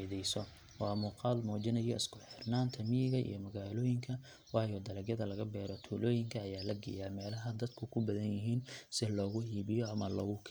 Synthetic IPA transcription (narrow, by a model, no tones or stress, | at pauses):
ðɛjsɔ | wɑːmuːqɑːlmɔːd͡ʒɪnɐjɔɪskʰʊħɪrnaːnt̪ʰɐmijɪɣɐʔḭjɔmɐɣaːlɔːjɪŋkʰɐ | wɑːjɔd̪ɐlɐɡjɐðɐlɐɣɐbɛːɾɔt̪ʰuːlɔːjɪŋkʰɐːjaːlɐɡɪ̰jamɛːlɐɦɐd̪ɐd̪kʰʊkʰʊbɐðɐnjɪɦiːnsɪlɔːɣʊhiːβɪjɔɐmɐlɔːɣʊkʰ